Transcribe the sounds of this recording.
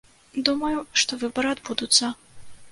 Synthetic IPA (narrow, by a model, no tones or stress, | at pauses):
d̪umɐjuʂt̪ɔvɨbɐɾɨɐd̪bud̪ut̪sːɐ